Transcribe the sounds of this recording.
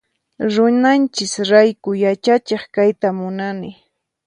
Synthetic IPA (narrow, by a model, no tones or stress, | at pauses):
ɾʊnant͡ʃɪsɾajkʊjat͡ʃat͡ʃeχkajt̪amʊnanɪ